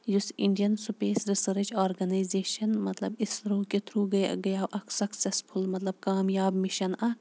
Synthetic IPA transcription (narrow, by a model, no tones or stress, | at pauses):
jusiɳɖijɐnsupeːsɾisɐɾɐd͡ʒaːɾɡɐnajzeːʃɐnmɐt̪lɐbisɾoːket̪ʰɾuːɡɐj̰ɡɐjaːʔɐksɐksespʰulmɐt̪lɐb̚kaːmjaːbmiʃɐnɐ